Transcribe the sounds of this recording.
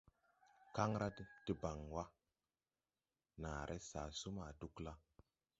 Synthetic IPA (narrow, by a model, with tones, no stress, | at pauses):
ka˦ŋɾa˦dti˨ba˨ŋwa˦ | na˨ɾʔe˦sa˨su˦ma˨du˦kla˦